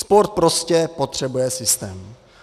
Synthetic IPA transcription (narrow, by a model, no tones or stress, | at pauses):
spo̞ɾt̪̚pɾo̞scɛpo̞t̪r̝̥ɛbujɛsɪst̪ɛːm